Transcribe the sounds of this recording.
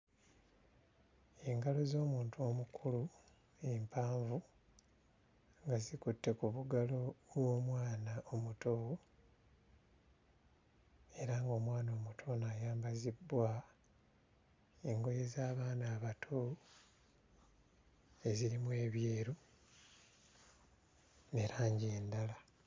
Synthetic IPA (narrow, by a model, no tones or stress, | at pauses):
e̞ŋɡalo̞zo̞ːmuːntʰuo̞mukʰulu | empʰaːɱvu | ŋɡazikutːe̞kuβuɡalo̞βwo̞ːmwaːnaʔomutʰo | e̞ɾaŋɡo̞ːmwaːno̞ːmutʰo̞najaːmbazibːwa | eŋɡo̞jezaːβaːnaːβatʰo | e̞ziɾimwe̞ːβjeːɾu | neɾaːɲɟeːndala